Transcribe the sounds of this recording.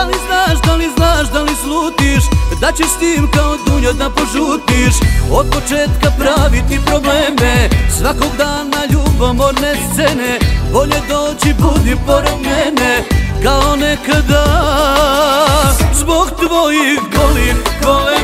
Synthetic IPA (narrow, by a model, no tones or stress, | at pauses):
aliznaːʃd̪aliznaːʃd̪alisluːt̪iʃd̪at͡ɕɛst̪iːmkaod̪uɲod̪apo̞ʒuːt̪iʃod̪̚po̞t͡ʃeːt̪kapɾaʋit̪ipɾo̞bleːmesʋakoɡd̪aːnːaʎubomoɾnest̪senebo̞ʎed̪oːt͡ɕibud̪ipo̞ɾed̪mɛnekaonekad̪a | zbo̞ɡt̪ʋojixbolixkoe